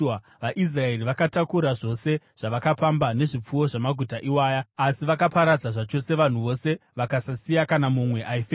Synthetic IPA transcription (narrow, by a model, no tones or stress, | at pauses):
ʋaʔis̬rae̞riʋakatakuɾaʐo̞se̞ | ʐ̥aʋakapambane̞ʐip͡fuwo̞ʐamaɡʱutaʔiwaːjaːsiʋakapaɾad͡zaʐat͡ʃo̞se̞ʋan̤uʋo̞se̞ʋakasasijakanamumwe̞ʔaife